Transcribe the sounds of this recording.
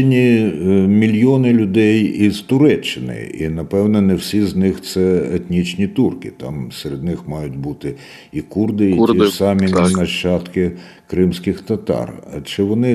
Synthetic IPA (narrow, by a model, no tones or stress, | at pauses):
nʲi | mʲilʲjɔnɪlʲʊd̪ɛjiz̥t̪ʊɾɛt͡ʃːɪnɪ̰ḭnɐpɛwnɔnɛwsʲiznɪxt̪sɛet̪ʲnʲit͡ʃnʲit̪urkɪ̰t̪ɑ̰mseɾed̪̚nɪxmɑjʊtʲbut̪ɪ | ikurd̪ɪisɑmʲiinɐt͡ʃɑt̪kɪ | kɾɪmsʲkɪxt̪ɐt̪ɑ̰rt͡ʃɪʋɔnɪ